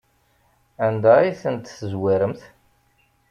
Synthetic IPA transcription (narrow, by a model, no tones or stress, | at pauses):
ænd̪æiθənt̪θəzwiɾəmθ